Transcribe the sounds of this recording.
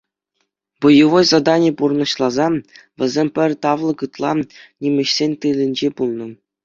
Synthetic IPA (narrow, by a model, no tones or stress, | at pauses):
bujuʋojzɑd̪ɑnʲipurɤ̆nɤ̆ɕlˠɑzɑ | ʋʲɘ̆zʲemʲpʲɘ̆rʲt̪ɑʋlˠɤ̆kɯt̪lˠɑnʲimʲɘ̆ɕsʲenʲt̪ɯlʲɘ̆nʲd͡ʑepulˠnɤ̆